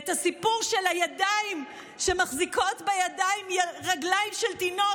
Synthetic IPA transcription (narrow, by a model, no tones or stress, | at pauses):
etasipuʁʃe̞lhajadaim | ʃe̞maχziko̞tbejadaimjaʁaɡlaimʃelt̪ino